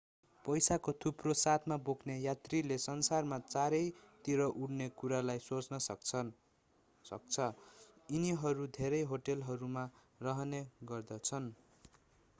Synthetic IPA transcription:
pʌjsakot̪ʰuprosat̪ʰmabokʰnejat̪rilesʌnsarmat͡saɾʌjt̪iɾʌʔuɽnekuɾalajsot͡snʌsʌkt͡sʰʌ | sʌ̰k̚t͡sʰʌiniɦʌɾud̪ʱeɾʌjɦoʈelɦʌɾuma | rʌɦneɡʌrd̪ʌt͡sʰʌn

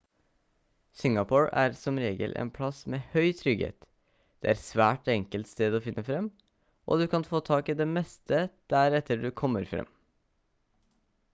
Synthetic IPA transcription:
sɪŋɑpʰoːɹæːɾsɔmɾeːɡə̰lʔḛːnpʰlɑsmeːhœʏt̪ʰɾʏɡhḛːt̪ | d̪̥ɛːæɾsʋæːʈɛŋkəlt̪st̪eːd̪ɔfɪnːʔəfɾɛmː | ʔɔ̰d̪ʉkʰɑnfoːt̪ʰɑːkɪd̪ɛmɛst̪ʰəd̪̥æɾɛt̪ʰəɖʉkʰɔmːəɾfɾɛ̰mː

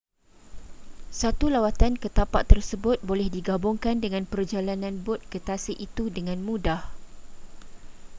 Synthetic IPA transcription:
sat̪ulawat̪ankət̪apaʔt̪ːərsəbʊt̪̚bolɛhdiɡabʊŋkandəŋãnpərd͡ʒalanãnbʊt̪̚kət̪asiʔit̪udəŋãnmũdah

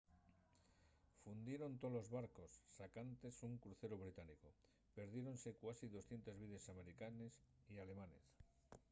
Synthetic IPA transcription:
fund̪je̞ɾo̞nt̪o̞lo̞zβaɾkosːakant̪e̞suŋkɾuθe̞ɾoβ̞ɾit̪aniko | pe̞ɾð̞jeɾo̞nse̞kwasiðo̞sθje̞nt̪ezβiðesame̞ɾikanes | iale̞mane̞̰s

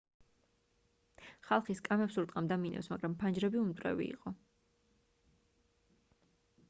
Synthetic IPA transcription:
χalˠχiskʼamɛpsuɾt̪ʼqʼamd̪aminʔɛ̰fsmaɡɾampʰand͡ʒɾɛbiumt̪ʼɾɛ̰vḭːqʼɔ

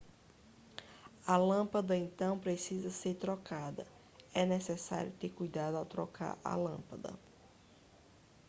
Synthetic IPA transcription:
ɐlɐ̃pɐd̪ɐẽnt̪ɐ̃w̃pɾesizɐseɾt̪ɾɔkad̪ɐ̰ | ɛnɛsɛsa̰ɾjʊt̪eɾkujd̪ad̪ʊawt̪ɾɔkʰa̰ɾɐ̰lɐ̃pɐd̪ɐ̰

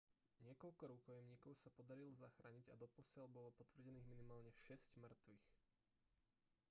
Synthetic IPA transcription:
ɲɪɛkɔʎkɔɾuːkɔjɛmɲiːkɔʊsapɔd̪aɾilɔzaxɾaːɲiɟad̪ɔpɔsɪalbɔlɔpɔt̪ʋr̩ɟɛniːɣminimaːlɲɛʃɛscmr̩t̪ʋix

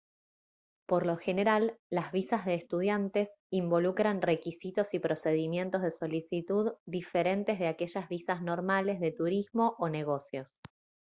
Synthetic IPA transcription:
po̞ɾlo̞xe̞neɾalːazβisazðeːst̪uð̞jant̪e̞s | imbo̞lukɾanre̞kisit̪o̞sipɾo̞se̞ð̞imje̞nt̪o̞zð̞eso̞lisit̪uðd̪ife̞ɾe̞nt̪e̞zðeake̞ʒazβisazno̞ɾmale̞zðe̞t̪uɾizmo̞ʔone̞ɣ̞o̞sjo̞s

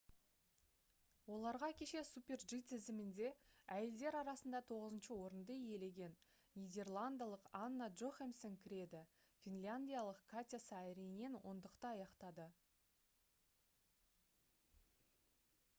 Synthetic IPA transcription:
wo̞lˠɑɾʁɑkʲʰe̞ʃe̞supʲe̞rʒit̪ʰɪzɪmɪnd̪e̞æje̞ld̪e̞ɾɑɾɑsənd̪ɑt̪ʰo̞ʁəzənʃəwo̞ɾənd̪əje̞le̞ɡʲe̞nːʲ | ijd̪ʲe̞rlˠand̪alˠəqanːaʒoχemsɪŋkʲʰɪɾe̞d̪ɪ | fʲinlʲanʲd̪ʲijalˠəqkʰat̪ʲasɑɾenenwo̞̰nd̪əqt̪əɑjɑqt̪ɑd̪ə

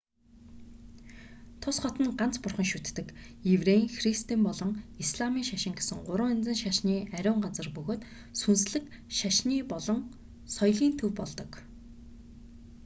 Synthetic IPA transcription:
t̪ʰʊsχɔt̪ə̆nɢan̥t͡spʊrχə̆ŋʃut̪ːɘ̆kjewreŋxrist̪impɔɮɞ̆ŋisɮamiːŋʃaʃɪ̆ŋɡesɘ̆ŋɢʊɾə̆ːŋent͡sɘ̆nʃaʃniːæɾʲʊːɴɢat͡sə̆rpɵɣoːt̪ | sunsɮɘ̆k | ʃaʃniːpɔɮɞ̆ŋ | sɔjɮiːnt̪ʰɵwpɔɮt̪ɞ̆k

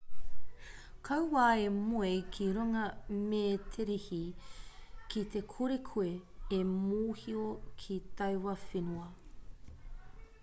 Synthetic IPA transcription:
kʰɐwwaːemuekʰiɾuŋɐmeːtʰeɾehi | kit̪ekʰuɾekʰueemuːhiokʰit̪ɐwwɐfenuɐ

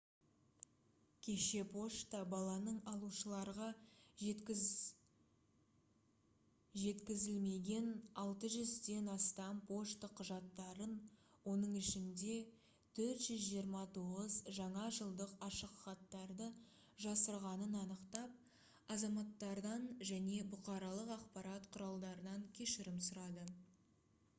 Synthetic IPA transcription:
kʲʰe̞ʃe̞pʰo̞ʃt̪əbɑlˠɑnəɴɑlˠuʃəlˠɑɾʁɑ | ʒe̞t̪kʲɪzɪlme̞ɡʲe̞nɑlˠt̪əʒʏzd̪e̞nɑst̪ɑmpʰo̞ʃt̪əqʰːʊʒɑt̪ːɑɾənwo̞nəɴɪʃɪnd̪e̞ | t̪ʰɵɾt̪ʒ̥ʏzʒijəɾmɑt̪ʰoʁəzʒɑɴɑʒəlˠd̪əqɑʃəqχɑt̪ːɑɾd̪ə | ʒɑsəɾʁɑnənɑnəqt̪ɑp̚ | ɑzɑmɑt̪ːɑɾd̪ɑnʒæne̞bʊqɑɾɑlˠəqɑqpɑɾɑt̪qʰʊɾɑlˠd̪ɑɾənɑŋkʲʰe̞ʃɪɾɪmsʊɾɑd̪ə

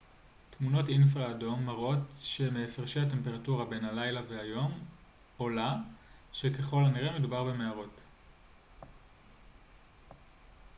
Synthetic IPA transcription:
tmuno̞tinf̬ʁaːdo̞mːaʁo̞tʃe̞meːfeʁʃehate̞mpe̞ʁatuʁabe̞nhalajlaveɦajo̞m | o̞laʃe̞ke̞χo̞laniʁeme̞dubaʁbe̞me̞aʁo̞t

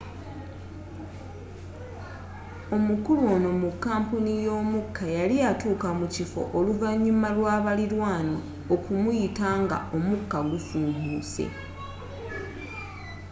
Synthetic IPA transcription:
o̞mukulwo̞ːno̞mukːaːmpunijo̞ːmukːajalijatuːkamucifo̞̰ʔoluvaɲːumalwaːβaliɾwaːno | okumujitaːŋɡa̰o̞mukːaɡufuːmbuːsḛ

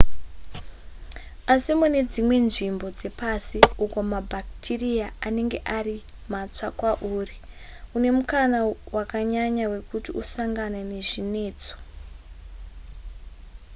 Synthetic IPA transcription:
asimune̞d͡zimwe̞nʐimbo̞d͡ze̞pasiuko̞mabʱak̚tʰirijaane̞ŋɡe̞ʔari | mat͡sakwaʔuːri | une̞mukanawakaɲaɲawe̞kutiusaŋɡanane̞ʐine̞ːd͡zo̥

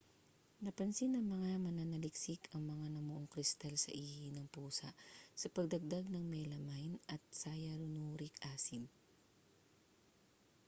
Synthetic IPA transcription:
nɐpɐnsinɐŋmɐŋamɐnanɐlɪksɪkʰɐŋmɐŋanɐmʊʔoŋkɾɪst̪alsɐ̰ʔiːhɪnɐŋpuːsɐʔsɐpɐɡ̚d̪ɐɡ̚d̪aɡ̚nɐŋmɛlɐmajnɐt̪̚saːjɐɾʊnuːɾɪkʔaːsɪm

